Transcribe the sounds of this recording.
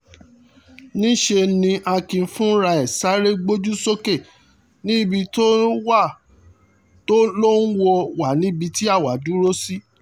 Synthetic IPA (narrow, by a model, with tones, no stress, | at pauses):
nĩ˦ʃe˧nĩ˧ʔa˧kĩ˧fũ˦ɾa˧ɛ˨sa˨˦ɾe˦ɡ͡bo˦d͡ʒu˦so˦ke˦˨ | nĩ˦˨bi˧to˦wa˦˨ | to˦lo˦n̩˦wo˧wa˨nĩ˨˦bi˧ti˦a˦˨wa˨dũ˨˦ɾo˦si˦